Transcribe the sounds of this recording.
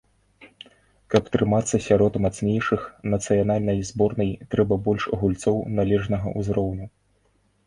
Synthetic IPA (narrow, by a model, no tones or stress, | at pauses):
kɐpt̪ɾɨmat̪sːɐsʲaɾɔt̪mat̪snʲejʂɨxnɐt̪sɨjanalʲnɐjzbɔrnɐjt̪ɾɛbɐbɔlʲʂɐɣulʲt̪sɔwnalʲɛʐnɐɣɐ̰ʔuzɾɔwnʲu